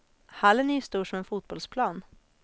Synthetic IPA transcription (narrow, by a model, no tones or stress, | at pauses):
halːənyːst̪uːʂɔmɛnfuːt̪̚b̥ɔlspʰlɑːn